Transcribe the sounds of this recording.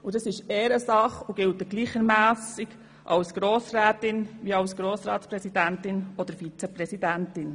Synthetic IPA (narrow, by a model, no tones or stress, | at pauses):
udɑsɪʃeːɾəsɑχuɡ̥ɪltəɡ̥liːχəɾmæːsɪɡ | ʔɑwsɡ̥ɾoːsɾæːtɪnʋiɑʊsɡ̥ɾoːsɾɑːtspɾɛsidæntɪnɔd̪əɾfit͡sɛpɾɛsidæntɪn